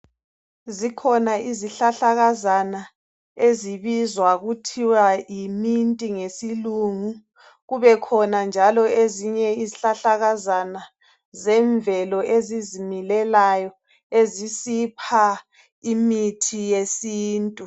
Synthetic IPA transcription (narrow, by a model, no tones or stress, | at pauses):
zikʰɔnaiziɬaɬaɣazana | eziβizwaɣutʰiwajimintʼiŋesiluŋu | ɣuβɛkʰɔnand͡ʒʱalɔeziɲɛiziɬaɬaɣazana | zɛɱvɛlɔʔezizimilɛlajɔ | ezisipʰa | imitʰijesiːntʼu